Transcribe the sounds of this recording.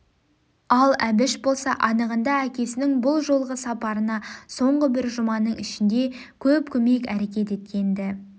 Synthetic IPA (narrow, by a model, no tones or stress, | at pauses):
ɑlˠæbɪʃbo̞lˠsɑʔɑnəʁənd̪ɑækʲe̞sɪnɪŋbʊlˠʒo̞lˠʁəsɑpɑɾənɑso̞ɴʁəbɪɾʒʊmɑnəɴɪʃɪnd̪e̞kʲʰɵpkʲʰɵme̞kæɾe̞kʲe̞t̪e̞t̪̚kʲe̞nd̪ɪ